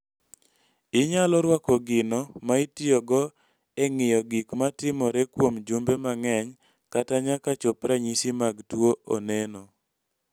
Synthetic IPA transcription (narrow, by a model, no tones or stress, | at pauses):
ɪɲalɔɾwakɔɡɪnɔmaitɪɔɡɔ | ɛŋɪjɔɡikmatɪmɔɾɛkwomd͡ʒumbemaŋɛɲ | kataɲakat͡ʃopɾaɲisimaɡtwooneno